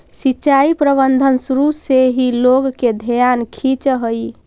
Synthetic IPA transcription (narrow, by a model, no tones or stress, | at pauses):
sitːt͡ʃaipɾəbənd̪ʱənsuɾuseɦiloɡked̪ʱəjankʰit͡ʃɦəi